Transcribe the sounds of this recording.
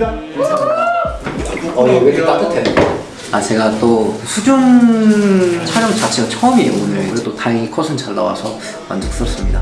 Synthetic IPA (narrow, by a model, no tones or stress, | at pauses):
ʌɾioɡeket͈at͈ɯtʰenna | at͡ɕe̞ɡat͈okɯsʰud͡ʑun | t͡ɕʰaɾjʌŋt͡ɕat͡ɕʰiɡat͡ɕʰʌʌmienɯeet͈otaɾeŋikʰʌsʰɯnt͡ɕaɭːa̰wa̰sʰʌ | ma̰nd͡ʑɯk̚s͈ɯʌs͈ɯmɲida